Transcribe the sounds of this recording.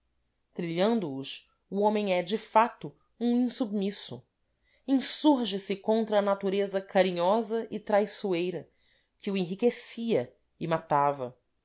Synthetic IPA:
t̪ɾiʎɐ̃nd̪ʊːs | uõmẽŋɛd͡ʒɪfat̪ʊ | ũĩsubmisʊ | ẽsuɾʒɪsɪkõnt̪ɾɐːnat̪uɾezɐkaɾĩɲɔzɐʔɪt̪ɾajsuejɾɐ | kɪuẽɦikesiɐ | ɪmat̪avɐ

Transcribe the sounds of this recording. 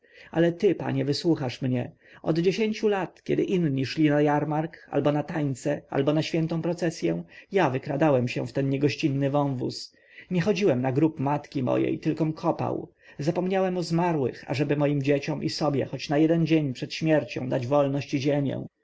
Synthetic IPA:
alɛt̪ɘpa̰ɲɛvɘswuxaʂmɲɛ | ɔd̪d͡ʑeɕeɲt͡ɕulat̪kʲɛ̰d̪ɘʔinɲiʂlʲinajaɾmaɾka̰lbɔnat̪aɲt̪sɛa̰lbɔnaɕfʲɛnt̪ɔ̃w̃pɾɔt̪sɛsʲjɛ̃javɘkɾad̪awɛmɕɛ̰̃ft̪ɛnɲɛɡɔɕt͡ɕinːɘvɔ̃w̃vṵs | ɲɛxɔd͡ʑiwɛmnaɡɾupmat̪kʲimɔ̰jɛ̰jt̪ɘlkɔmkʰɔpa̰w | zapɔmɲawɛmɔzmaɾwɘ̰xa̰ʐɛbɘmɔjimd͡ʑet͡ɕɔmʔisɔbʲjɛ̰xɔt͡ɕnajɛd̪ɛnd͡ʑeɲpʂɛt̪ɕmʲjɛɾt͡ɕɔ̰̃w̃d̪ad͡ʑvɔlnɔɕt͡ɕiʑemʲjɛ̰̃

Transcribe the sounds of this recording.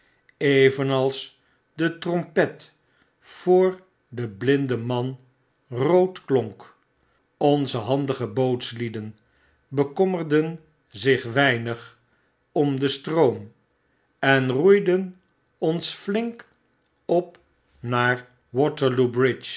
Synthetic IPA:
ejvənɑlˠs | dətrɔmpɛt | fʊːɹ | dəblɪndəmɑn | rowtklɔŋk | ɔnzəɦɑndəχəbowtslidən | bəkɔmərdən | zɪχʋɛjnəχ | ɔmdəstrowm | ɛnrujdən | ɔnsflɪŋk | ɔp | naːɹ | wɔtəɹlubrɪt͡ʃ

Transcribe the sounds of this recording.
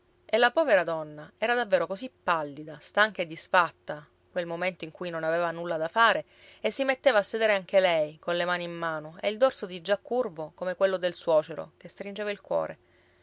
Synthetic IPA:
elːapɔːveɾad̪ɔnːaɛːɾad̪avːeːɾokozipːalːid̪ast̪aŋkaed̪ːisfat̪ːa | kwelmoment̪oiŋkujnonavevanulːad̪afaːɾe | esːimet̪ːeːvaːsːed̪eːɾeaŋkelɛjkonlemaːniimːaːnoḛild̪orsod̪id͡ʒakːurvokomekwelːod̪elswɔːt͡ʃeɾo̰kest̪ɾind͡ʒevailkwɔ̰ːɾʔḛ

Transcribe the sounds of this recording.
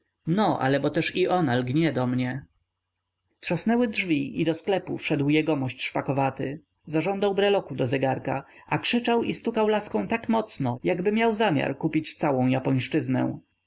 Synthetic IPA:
nɔʔa̰lɛbɔt̪ɛʂiʔɔnalɡɲɛd̪ɔmɲɛ | tʂasnɛwɘdʐvʲiʔid̪ɔsklɛpufʂɛd̪wjɛɡɔmɔɕt͡ɕʂpakɔvat̪ɘ | zaʐɔ̃nd̪awbɾɛlɔkud̪ɔzɛɡaɾka | akʂɘt͡ʂawist̪ukawlaskɔ̃w̃t̪akmɔt̪snɔjaɡbɘmʲjawzamʲja̰ɾkupʲit͡ɕt̪sawɔ̃w̃japɔɲʂt͡ʂɘznɛ̰w̃

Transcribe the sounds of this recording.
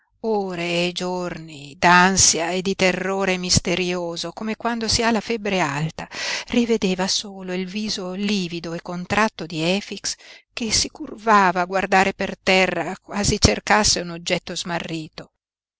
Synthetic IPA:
oːɾeːd͡ʒornid̪ansjaed̪ːit̪erːoːɾemist̪eɾjoːzokomekwand̪osiːalafɛbɾealt̪arived̪eːvasoːloilviːzoliːvid̪oekːont̪ɾat̪ːod̪iɛːfikskesikurvaːvaːɡward̪aːɾepert̪ɛrːakwaːzit͡ʃerkasːeunod͡ʒːɛt̪ːozmarːiːt̪o

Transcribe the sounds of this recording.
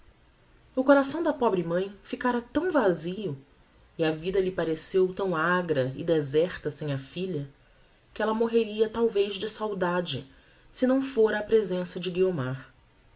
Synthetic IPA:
ʊkoɾasɐ̃w̃d̪ɐpɔbɾɪmɐ̃j̃fikaɾɐt̪ɐ̃w̃vaziʊ | ɪɐvid̪ɐlɪpaɾesewt̪ɐ̃w̃aɡɾɐɪ̰d̪ezɛɾt̪ɐsẽj̃ɐfiʎɐ | kɪɛlɐmoɦeɾiɐt̪awvejzd͡ʒɪsawd̪ad͡ʒɪ̰ | sɪnɐ̃w̃foɾɐːpɾezẽsɐd͡ʒɪɡiomaɾ

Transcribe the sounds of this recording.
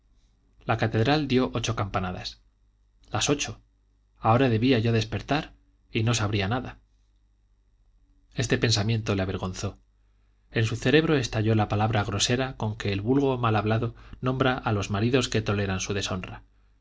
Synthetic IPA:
lakat̪e̞ðɾald̪jo̞ʔo̞t͡ʃo̞kampanaða̰s | laso̞t͡ʃo̞ | ao̞ɾaðe̞βiaʝo̞ðe̞spe̞ɾt̪aɾ | ino̞saβɾianaða | e̞st̪e̞pe̞nsamjẽ̞nt̪o̞leaβe̞ɾɣo̞nθo̞ | e̞nsuθe̞ɾe̞βɾo̞e̞st̪aʎo̞lapalaβɾaɣɾo̞se̞ɾako̞ŋke̞ːlβulɣo̞malaβlaðonõ̞mbɾaʔalo̞zmaɾiðo̞ske̞t̪o̞le̞ɾansuðe̞so̞nra

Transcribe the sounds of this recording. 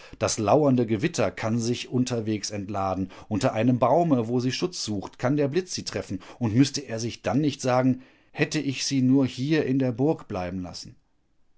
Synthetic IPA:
d̥aslaʊɐndəɡəvɪtʰɐkʰanzɪçʔʊntʰɐveːksɛntlaːdn̩ʔʊntɐʔaɪnəmbaʊməvoːziːʃʊt͡sz̥uːxtkʰandeːɐblɪt͡sz̥iːtʁ̥ɛfn̩ʔʊntmʏstəʔeːɐzɪçd̥anːɪçtz̥aːɡŋ̩ | hɛtəʔɪçz̥iːnuːɐhiːɐʔɪndeːɐbʊɐkb̥la̰ɪbm̩la̰sn̩

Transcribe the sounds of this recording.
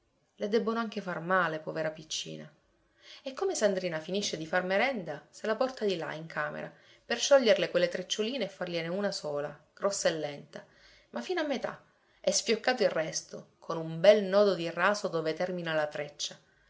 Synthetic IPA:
led̪ɛbːonoaŋk̟efarmaːlepɔveɾapit͡ʃːḭːna | ekːomesand̪ɾiːnafiniʃːed̪ifarmeɾɛnd̪aselapɔrt̪ad̪ila̰iŋkʰaːmḛɾa | perʃɔʎːerlekwelːet̪ɾet͡ʃːoliːneːfːarleneunasɔːla̰ɡ̥ɾɔsːaelːɛnt̪a | mʔafːinoamːet̪a̰ | ɛsfjokːaːt̪oilrːɛst̪okʰonumbɛlnɔːd̪od̪iraːsod̪oːvet̪ɛrminalat̪ɾet͡ʃːa

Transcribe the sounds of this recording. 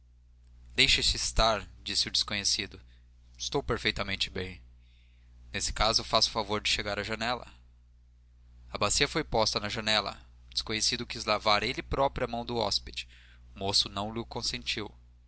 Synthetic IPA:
d̪ejʃɐst͡ʃɪːst̪aɾd͡ʒisɪʊd͡ʒɪskõɲesid̪ʊ | ɪst̪owpeɾfejt̪ɐmẽnt͡ʃɪbẽj̃ | nesɪ̥kazʊfasʊ̥favoɾd͡ʒɪʃeɡaɾɐʒɐnɛlɐ̰ | ɐbasiɐfojpɔst̪ɐnɐʒɐnɛlɐ̰ | d͡ʒɪ̥skõɲesid̪ʊkizlavaɾelɪpɾɔpɾiɐmɐ̃w̃d̪ʊɔ̰sped͡ʒɪ̥ | ʊmosʊnɐ̃w̃lɪʊkõsẽnt͡ʃiw

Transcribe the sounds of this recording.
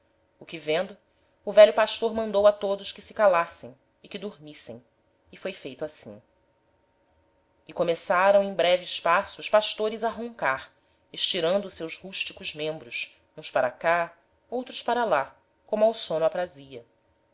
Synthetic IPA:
ʊkɪvẽnd̪ʊː | vɛʎʊpaʃt̪oɾmɐ̃nd̪owɐt̪od̪ʊʃkɪsɪ̥kalasẽj̃ | ɪkɪd̪uɾmisḛ̃j̃ | ɪfojfejt̪ʊasḭ̃ | ɪkomesaɾɐ̃w̃ẽj̃bɾɛvɪːʃpasʊːʃpaʃt̪oɾɪzaɦõŋkaɾ | eʃt͡ʃiɾɐ̃nd̪ʊsewzhuʃt͡ʃikʊzmẽmbɾʊs | ũspaɾaka | owt̪ɾʊspaɾɐla | kõmawsõnʊapɾaziɐ

